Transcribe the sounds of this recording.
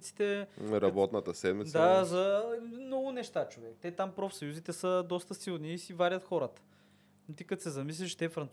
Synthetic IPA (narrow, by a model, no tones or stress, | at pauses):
t̪si̥t̪ɛɾɐbɔt̪nət̪əsɛd̪mitd̪d̪azɐmnɔɡʊnɛʃt̪at͡ʃovɛkt̪ɛt̪ampɾɔfsɐjuzit̪ɛsəd̪ɔst̪əsilˠniːsivaɾʲət̪xɔɾət̪ə̥ | nt̪ikət̪sɛzɐmis̬lʲiʃt̪ɛfɾɐnt̪